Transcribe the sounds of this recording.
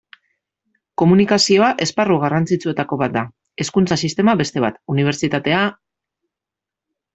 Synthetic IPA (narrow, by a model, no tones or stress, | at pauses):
ko̞munikasio̞aʔe̞sparuɣarant͡sit͡sue̞t̪ako̞βat̪̚d̪a | e̞skunt͡sasist̪e̞maβe̞st̪e̞β̞a̰t̪uniβ̞e̞ɾt͡ʃit̪at̪e̞a